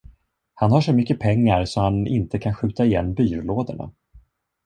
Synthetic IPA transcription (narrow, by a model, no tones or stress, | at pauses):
hanhaʂɔmʏkːəpʰɛŋːaɾsɔhanɪ̰nt̪əkʰanɧʉ̟ːt̪aɪjɛnːbyːɾloːd̪ə̰ɳa̰